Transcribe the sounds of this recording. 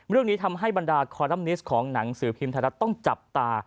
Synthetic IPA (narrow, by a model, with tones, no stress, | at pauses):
ɾɯ˥˩əŋniː˦˥t̪ʰa˧mɦa˥˩jba˧ndaː˧kʰɔː˧ɾa˦˥˩mni˦˥skʰɔː˩˦ŋna˩˦ŋsɯː˩˦pʰiː˧mt̪ʰaː˧na˦˥t̪ːɔ˥˩ŋt͡ɕa˨˩p̚t̪aː˧